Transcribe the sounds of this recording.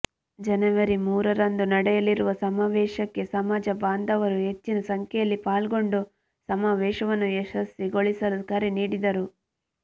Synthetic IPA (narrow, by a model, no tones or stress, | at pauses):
d͡ʒɐnɐʋɐɾimuːɾɐɾɐnd̪unɐɽɛjɐliɾuʋɐsɐmaːʋɛːʃɐkːe̞sɐmaːd͡ʒɐbaːnd̪ɐʋɐɾuɦe̞t͡ʃːinɐsɐŋkʰɛjɐlːipaːlɡo̞ɳɖu | sɐmaːʋɛːʃɐʋɐnːueʃɐsːiɡo̞ɭisɐlukɐɾiniːɽid̪ɐɾu